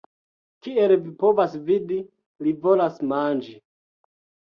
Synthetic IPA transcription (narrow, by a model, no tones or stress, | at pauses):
kielvipovasvidi | livo̞lasmand͡ʒi